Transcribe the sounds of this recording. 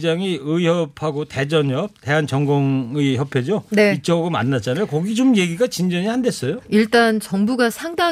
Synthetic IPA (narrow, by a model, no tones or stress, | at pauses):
d͡ʑaŋiɯijʌpʰhaɡote̞d͡ʑʌɲʌp̚te̞ɦant͡ɕʌŋɡoŋɯiçjʌpʰe̞d͡ʑoneit͡ɕ͈ʰʌɡoma̰nːat͡ɕ͈anakʌɡid͡ʑomje̞ɡiɡat͡ɕind͡ʑʌɲihandwe̞s͈ʌjoiɭt͈ant͡ɕʌŋbuɡasʰaŋda